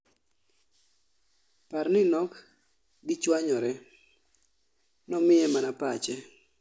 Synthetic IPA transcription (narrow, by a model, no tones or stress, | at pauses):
parnɪnɔk | ɡɪt͡ʃwaɲɔɾɛ | nɔmɪɛmanapat͡ʃɛ